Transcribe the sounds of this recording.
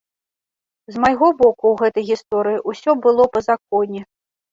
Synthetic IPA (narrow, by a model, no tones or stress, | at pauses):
zmajɣɔbɔkuwɣɛt̪ɐjɣʲist̪ɔɾɨjiʔusʲɔbɨlˠɔpɐzak̚ɔnʲɛ